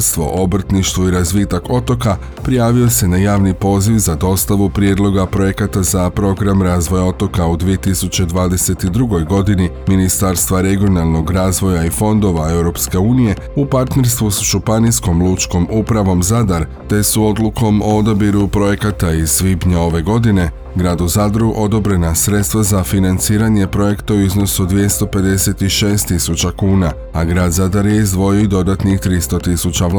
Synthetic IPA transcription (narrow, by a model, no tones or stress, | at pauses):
st̪ʋo̞̰ʔo̞br̩t̪niʃt̪ʋoiɾazʋiːt̪ako̞t̪o̞ka | pɾijaːʋiose̞najaːʋnipo̞ːziʋzad̪o̞st̪aʋupɾije̞d̪lˠo̞ɡapɾo̞je̞kat̪azapɾo̞ɡɾamɾaːzʋo̞jao̞t̪o̞kaud̪ʋie̞t̪isut͡ɕe̞d̪ʋaːd̪e̞se̞t̪id̪ɾuɡo̞jɡo̞d̪ini | minist̪aɾst̪ʋaɾe̞ɡio̞nalˠno̞ɡɾaːzʋo̞jaifo̞nd̪o̞ʋae̞wɾo̞pske̞uːnije̞ | upaɾt̪ne̞ɾst̪ʋusʒupanisko̞mlˠut͡ʃko̞mupɾaʋo̞mzad̪aɾ | t̪e̞suo̞d̪luko̞mood̪abiɾupɾo̞je̞kat̪aiz̥ʋibɲao̞ʋe̞ɡo̞d̪ine̞ | ɡɾaːd̪uzad̪ɾuʔo̞d̪o̞bɾe̞nasɾe̞t̪st̪ʋazafinant̪siːɾaɲe̞pɾo̞je̞kt̪auizno̞sod̪ʋje̞st̪o̞pe̞d̪e̞se̞t̪iʃe̞ːst̪isut͡ɕakuːna | aɡɾaːd̪zad̪aɾjeizd̪ʋo̞joid̪o̞d̪at̪nixt̪ɾist̪o̞t̪isut͡ɕa